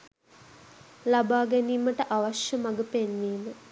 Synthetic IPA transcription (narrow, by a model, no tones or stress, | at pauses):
labaːɡæniːməʈəʔaʋaʃjəmaɡəpenʋiːmə